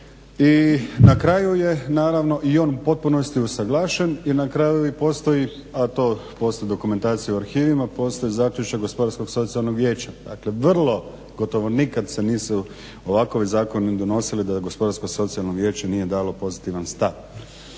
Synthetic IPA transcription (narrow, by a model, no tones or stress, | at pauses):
inakɾaːjuje̞naːɾaʋno̞ʔio̞ːnupo̞t̪̚puno̞st̪iusaɡlˠaːʃeninakɾajuipo̞ːst̪o̞i | at̪oːpo̞ːst̪ojid̪o̞kume̞nt̪aːt̪sijuuaɾxiːʋimapo̞ːst̪o̞jizaːkʎʲut͡ʃakɡo̞spo̞d̪aɾsko̞ɡso̞t̪sialˠnoɡʋje̞ːt͡ɕad̪a̰ːkle̞ʋrlˠo̞ | ɡo̞t̪o̞ʋonikad̪se̞niːsu | oʋako̞ʋizaːko̞nid̪o̞no̞silid̪aɡo̞spo̞d̪aɾsko̞so̞t̪sialno̞ɡʋje̞ːt͡ɕanije̞d̪aːlo̞po̞zit̪iʋanst̪aʋ